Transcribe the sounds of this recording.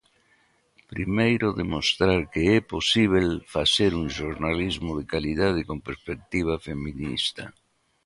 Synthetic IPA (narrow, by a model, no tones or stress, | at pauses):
pɾimejɾʊðemost̪ɾaɾkeɛposiβ̞elfaseɾuŋʃoɾnalizmʊðekaliðað̞ɪkompeɾspek̚t̪iβ̞afemĩnḭst̪ɐ